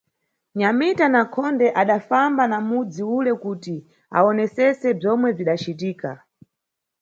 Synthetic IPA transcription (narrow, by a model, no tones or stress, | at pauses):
ɲamitanakʰɔndɛʔaɗafambanamud͡ziulɛkuti | a̰ɔnɛsɛsɛb͡ʐɔmwɛb͡ʐiɗat͡ʃitiːka̰